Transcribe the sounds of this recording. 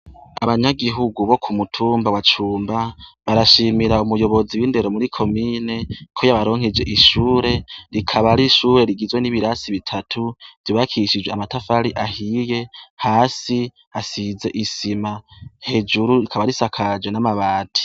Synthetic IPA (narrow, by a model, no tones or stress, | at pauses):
aβaɲaɡiɦuɡuβo̞kʰumutʰuːmbawat͡ʃuːmbaβaɾaʃimiɾaumujo̞βo̞ziwinde̞ɾomuɾikʰo̞miːne̞kʰo̞jaβaɾo̞ːŋ̥ed͡ʒe̞̰ʔiʃuːɾe̞ɾikʰaβaɾiʃuːɾe̞ɾiɡizwe̞niβiɾasiβitʰatʰuv̥iβakʰiʃid͡ʒweamatafaɾiʔahije̞haːsi | asize̞ʔisimahe̞d͡ʒuɾuɾikʰaβaɾisakʰad͡ʒwenamaβaːtʰi̥